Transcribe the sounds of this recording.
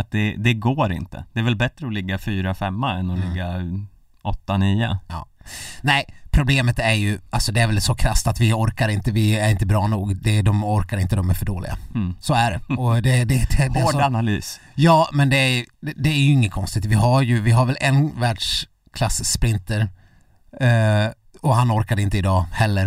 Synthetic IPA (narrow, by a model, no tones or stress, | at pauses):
at̪̚d̪ɛd̪ɛɡoːɾɪ̰nt̪ʰə̰d̪̥ɛæɾvɛlbɛt̪ɾəɔlɪɡːafyːɾafɛmːaɛnːɔlɪɡːa | ɔt̪ːaniːʊ̰ɑ̰ːnɛɪpʰɾʊbleːmət̪æɾjɵʔalsɔd̪ɛæɾvɛlsɔkʰɾast̪at̪vɪɔɾkaɾɪnt̪əvɪæɾɪnt̪əbɾɑːnuːɡd̪ɛd̪ɔmɔɾkaɾɪnt̪əd̪ɔmæɾfœɖoːlɪ̰ɡa̰soæɖɛ̰ɔd̪ɛd̪ɛd̪ɛd̪ɛoːanalyːs | jɑːmɛnd̪ɛæjd̪ɛæɾjɵɪŋːət̪kʰɔnst̪ɪt̪vɪɦaɾjɵvɪɦaɾvɛlʔɛnvæːɖʂ | kʰlasːspɾɪnt̪əɾ | ɔɦanɔɾkad̪ɪnt̪əɪd̪ɑːhɛlːəɾ